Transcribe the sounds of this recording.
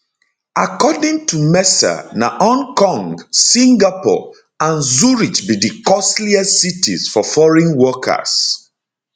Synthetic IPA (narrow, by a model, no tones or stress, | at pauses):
akɔdĩŋtumɛsə̰na̰ʔɔ̃nkɔ̃ŋɡsĩŋɡapɔ̰ | ãnzuɹit͡ʃbidikɔsliɛsitḭzfɔfɔɹĩnwɔkʰə̰s